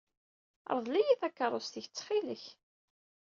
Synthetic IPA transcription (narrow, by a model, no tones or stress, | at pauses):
ə̰ɾˤðˤlæjiθækːɑɾˤost̪əçət͡sːχiləç